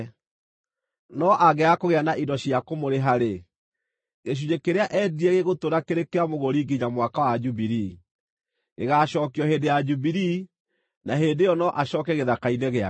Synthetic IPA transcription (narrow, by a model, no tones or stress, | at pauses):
nɔʔaɣɛakoɣeanaʔidɔɕiakomoɾeɦaɾe | ɣeʃ̬uɲekeɾeaʔɛːdiɛɣeɣotoɾakeɾekeamoɣoɾiːɡiɲamwakawad͡ʒubiɾi | ɣḛɣaʃɔkjɔheːndejad͡ʒubiɾi | naɦeːdejɔnɔʔaɕɔːkɛɣeðakainɛɣea